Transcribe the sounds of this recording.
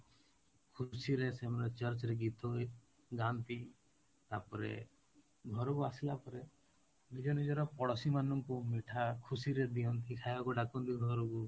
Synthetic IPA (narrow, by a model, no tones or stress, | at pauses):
kʰusiɾesemɔɾet͡ʃəɾt͡ʃɔɾeɡit̪ʰɔj | ɡant̪i | t̪apɔɾḛ | ɡʱɔɾɔkuasilapɔɾe | nid͡ʒɔnid͡ʒɔɾɔpɔɽɔsimanɔŋkumiʈʰakʰusiɾed̪iɔnt̪ʰikʰajbakuɖakɔnt̪iɡʱɔɾɔku